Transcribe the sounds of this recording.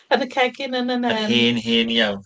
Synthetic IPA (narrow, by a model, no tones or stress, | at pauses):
ənəkʰɛɡɪnənənəɛhiːnɦiːnjawn